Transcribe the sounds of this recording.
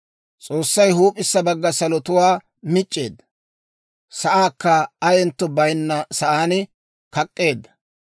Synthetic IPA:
t͡sʼo̞ːsːɐjɦuːpʼɪsːɐbɐɡːɐsɐlɔt̪ʊwaː | mɪt͡ʃʼːe̞ːd̪ːɐ | sɐʔaːkːɐɐjɛnt̪ːɔbɐjnːɐsɐʔaːn | kɐkʼːe̞ːd̪ːɐ̥

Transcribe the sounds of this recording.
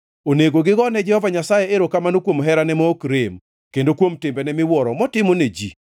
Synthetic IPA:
oneɡoɡɪɡɔnɛd͡ʒɛhɔvaɲasajeeɾokamanokwomɦɛɾanɛmɔːkɾɪm | kendokwomtɪmbɛnɛmɪwɔɾɔmɔtɪmoned͡ʒḭ

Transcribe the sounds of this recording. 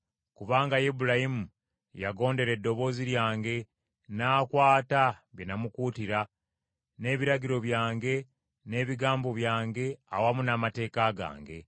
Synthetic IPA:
kuβaːŋɡajibuɾahimu | jaɡo̞ːnde̞ɾe̞dːo̞βo̞ːziɾjaːŋɡe̞ | naːkwaːtaβjenamukuːtiɾa | ne̞ːβiɾaɡiɾo̞βjaːŋɡe̞ | ne̞ːβiɡaːmbo̞βjaːŋɡe̞a̰wamunamate̞ːkaɡa̰ːŋɡe̞̰

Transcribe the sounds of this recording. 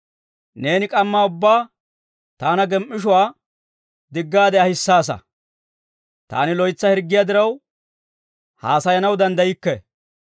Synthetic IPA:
ne̞ːnɪkʼɐmːaːʊbːaː | t̪aːnɐɡɛmʔːɪʃ̬ʊwaː | d̪ɪɡːaːd̪ɛɐhɪsːaːs̬ɐ̰ | t̪a̰ːnɪlɔjt͡sːɐhɛɾɡːɪjad̪ɪɾɐw | haːsɐjɐnɐwd̪ɐnd̪ɐjɪkːɛ

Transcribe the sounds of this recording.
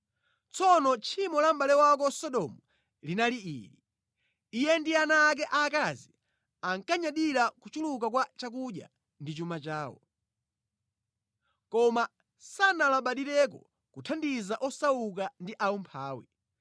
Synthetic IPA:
t͡sɔnɔt͡ʃʰimɔlam̩ɓalɛwak̬ɔsɔɗɔmu | linaliḭɾi | ijɛndianaːk̬ɛʔakazi | aŋkaɲaɗiɾakut͡ʃuluk̬ak̬wat͡ʃak̬uɗja̰ | ndit͡ʃumat͡ʃaːwɔ̰ | kɔma | sanalaɓaɗiɾɛk̬ɔ | kutʰandizaʔɔsauk̬andiʔaɔmpʰaːwɛ̰

